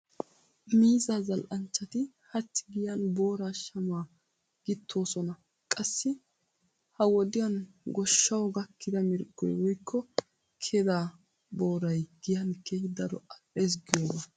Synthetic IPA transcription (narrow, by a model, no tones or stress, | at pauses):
miːzaːzɐlʔɐnt͡ʃːɐt̪ɪ | hɐt͡ʃːɪɡɪjɐnbo̞ːɾaːʃɐmaː | ɡ̥ɪt̪ʰːo̞ːsɔnɐ | kʼɐsːɪ | hɐwɔd̪ɪjɐnɡɔʃːɐwɔɡɐkːɪd̪ɐmɪɾɡʼːɔ̰jwɔjkʰːɔ | kʰɛd̪aː | bo̞ːɾɐjɡ̥ɪjɐnkʰːehɪd̪ɐɾɔ̰ɐʔeːs̬ɡɪjoːɡɐ